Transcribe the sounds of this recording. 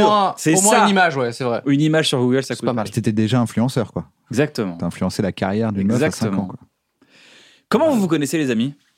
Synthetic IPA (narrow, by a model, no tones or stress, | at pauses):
sɛsmwɛãnimaʒwɛsɛvʁɛynimaʒsyʁɡuɡɛlsakpamalpit̪et̪ɛd̪eʒaɛ̃flyɑ̃sœʁkwa | ɛɡzak̚t̪əmɑ̰̃yaɛ̃flyɑ̃selakaʁjɛʁd̪ynɔzaksɛəmkɑ̃kwa | kɔmɑ̃vuvukɔnɛselezami